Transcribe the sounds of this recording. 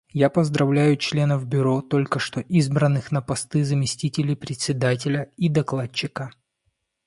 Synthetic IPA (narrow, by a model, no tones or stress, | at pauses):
japəzd̪ɾɐvlʲæjʊt͡ɕlʲe̞nəvbʲʊɾo̞t̪o̞lʲkəʂt̪o̞ʔizbɾənːɨxnəpɐst̪ɨzəmʲɪsʲtʲitʲɪlʲɪjpɾʲɪt̪ʲsʲɪd̪at̬ʲɪlʲəid̪ɐklˠat͡ɕːɪkə